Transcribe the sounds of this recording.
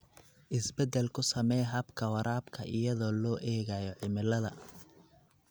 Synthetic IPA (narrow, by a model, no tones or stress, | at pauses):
ʔɪsbɛd̪ɛlkʰʊsɐmɛjɦɐbkʰɐwɐɾaːbkʰɐʔɪ̰jɐðɔːlɔːʔɛːɣajɔʕɪmɪlɐðɐ